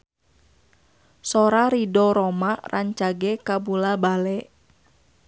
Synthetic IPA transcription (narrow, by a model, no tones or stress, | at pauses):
sɔɾaɾidɔɾɔmarʔaɲt͡ʃaɡɛkabulabalɛʔ